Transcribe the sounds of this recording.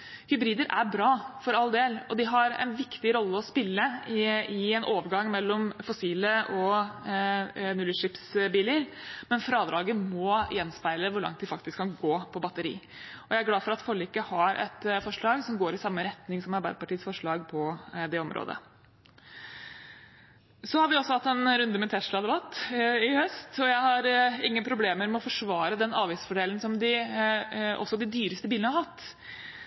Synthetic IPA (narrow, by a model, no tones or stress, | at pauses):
hʏbɾiːd̪əɾʔæ̰bɾɑːfɔɾɑld̪eːlɔd̪ɪɦɑɾɛ̰nʋɪkt̪ɪɾɔlːəɔspɪlːəɪɛnʔoːʋəɾɡɑŋːmɛlːɔmfɔsiːləʔɔ | nʉləʂɪpsbiːləɾmɛnfɾɑːd̪ɾʔɑːɡəmɔjɛnspæɪləʋʊɾɭɑ̰ŋt̪̚d̪ɪfɑk̚t̪ɪskʰːɑnɡoːpʰɔbɑt̪əɾḭːɔjæɪæɾɡlɑːfɔɾɑt̪fɔɭɪkəhɑɾʔɛ̰t̪fɔʂɭɑːɡsɔmɡoːɾɪsɑmːəɾɛt̪nɪŋsɔmɑɾbæ̰ɪəpɑʈiːəsfɔʂɭɑːɡpʰɔd̪ɛɔmɾʔo̰ːd̪ə̰ | sɔhɑɾʋɪɔsːɔhɑt̪ːɛnɾʉnd̪əmɛt̪ʰɛʂɭɑd̪ɛbɑt̪ːɪhœst̪ɔjæɪhɑɾɪŋːənpʰɾʊbleːməɾmɛɔfɔʂʋɑːɾəd̪ɛnɑːʋɪːsfɔɖeːln̩sɔmd̪ɪ | ʔɔ̰sːɔd̪ɪd̪yːɾəst̪əbiːlənəhɑɾhɑt̪ː